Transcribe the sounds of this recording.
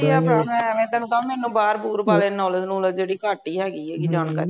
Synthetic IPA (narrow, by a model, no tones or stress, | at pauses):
iaːpãːmɛ̃ːʋẽːt̪ənkãːmɛːnũːbaːɾpuːɾbaːleːnɔːləd͡ʒnũːləd͡ʒeːɽiːkaːʈiːɦɛːɡiːɛːɡiːd͡ʒaːnka̰ːɾi